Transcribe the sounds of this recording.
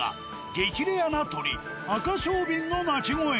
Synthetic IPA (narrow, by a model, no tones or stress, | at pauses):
a̰ | ɡekʲiɾejanat̪oɾi | akaɕoːbĩŋɡamat͡ɕimoe